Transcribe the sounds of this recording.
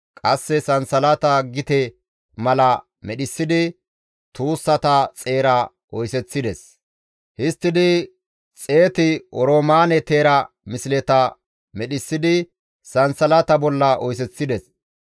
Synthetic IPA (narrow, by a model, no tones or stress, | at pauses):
kʼɐsːɛsɐnsɐlɐt̪ɐɡɪt̪ɛ | mɐlɐ | mɛɗɪsːɪd̪ɪ | t̪uːsːɐt̪ɐt͡sʼe̞ːɾɐ | ʔɔjsɛt͡sːɪd̪ɛs | hɪst̪ːɪd̪ɪ | t͡sʼe̞ːt̪ɪɔɾoːmaːnɛt̪eːɾɐ | mɪsɪlɛt̪ɐ | mɛɗɪsːɪd̪ɪ | sɐnsɐlɐt̪ɐbɔlːɐʔɔjs̬ɛt͡sːɪd̪ɛs